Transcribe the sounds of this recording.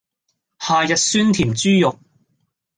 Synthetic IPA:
haː˨jɐ˨t̚syː˥nt̪ʰiː˨˩mt͡ʃyː˥jʊ˨k̚

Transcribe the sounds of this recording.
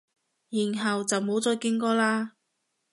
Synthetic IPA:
jiː˨˩nɦɐ˨wt͡sɐ˨wmo˨˥wt͡sɔː˧jkɪ˨˥ŋkɔː˧laː˧

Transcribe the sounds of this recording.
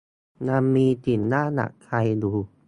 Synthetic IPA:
na˧mːiː˧t̪i˨˩nːaː˥˩na̰˨˩kʰːa˧jduː˧

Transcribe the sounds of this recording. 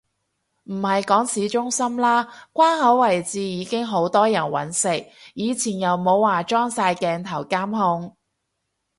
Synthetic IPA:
m̩˨˩hɐ˨jkɔː˨˥ŋsiː˨˥t͡ʃʊ˥ŋsɐ˥mlaː˥kʷaː˥nhɐ˨˥wːɐ˨˩jt͡siː˨jiː˨˧˥kɪ˥ŋɦo˨˥wt̪ɔː˥jɐ˨˩nwɐ̰˨˥nsɪ˨k̚jiː˨˧t͡sʰiː˨˩njɐ˨˩wmo˨˧˥wːaː˨˩t͡ʃɔː˥ŋsaː˧jkɛː˧ŋt̪ʰɐ˨˩wkaː˥mhʊ˧ŋ

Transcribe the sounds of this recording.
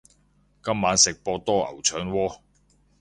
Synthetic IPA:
kɐ˥mːaː˨˥nsɪ˨k̚pɔː˧t̪ɔː˥ʔɐ̰˨˩wt͡ʃʰœː˨˥ŋwɔː˧˥

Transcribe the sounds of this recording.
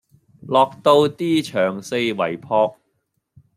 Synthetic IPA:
lɔː˨k̚t̪o˧wt̪iː˥t͡ʃʰœː˨˩ŋse˧jwɐ̰˨˩jpʰɔː˧k̚

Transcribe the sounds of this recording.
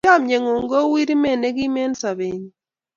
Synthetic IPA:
a˦mɲe˨ŋo˨ŋɡo˦wi˦ɾi˦me˦˨ne˦ɡi˦me˦nsa˨βe˨ɲ

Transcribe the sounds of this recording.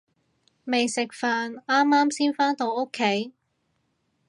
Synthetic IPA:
me˨jsɪ˨k̚faː˨naː˥mːaː˥msiː˥nfaː˥nt̪o˧wo˥kʰːe˨˥j

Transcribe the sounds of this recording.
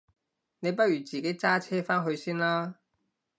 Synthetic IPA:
ne˨˧jp̬ɐ˥t̚jyː˨˩t͡siː˨ke˨˥jt͡saː˥t͡sʰɛː˥faː˥nɦɵ˧ɥsiː˥nlaː˥

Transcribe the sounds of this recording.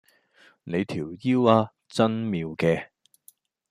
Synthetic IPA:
ne˨˧jt̪ʰiː˨˩wjiː˥waː˧ | t͡sɐ˥nmiː˧wkɛː˧

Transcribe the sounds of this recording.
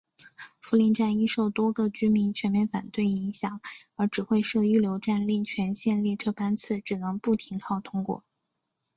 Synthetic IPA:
fu˧˥li˧˥nʈ͡ʂa˥˩ni˥ʂo˥˩ʊt̪wɔ˥ɡə˧t͡ɕy˥mi˧˥nt͡ɕʰɥɛ˧˥nmjɛ˥˧nfa̰˨˩nt̪we˥˩ɪi˧˥ŋɕjɑ˨˩˦ŋə˞˧˥ʈ͡ʂɻ̩˨˩xwe˥˧ɪʂɤ˥˧y˥˩ljo˧˥ʊʈ͡ʂa˥˧nli˥˩ŋt͡ɕʰɥɛ˧˥nɕjɛ˥˧nli˥˩ʈ͡ʂʰɤ˥pa˥nt͡sʰɹ̩˥˩ʈ͡ʂɻ̩˨˩nɤ˧˥ŋpu˥˩t̪ʰi˧˥ŋkʰɑ˥˩ʊt̪ʰʊ˥ŋkwɔ̰˨˩˦

